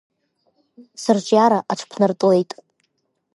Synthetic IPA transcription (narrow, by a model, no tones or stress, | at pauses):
sɨrt͡ʃʼjaɾaʔaʈ͡ʂʰpʰnɨrtʼulejtʼ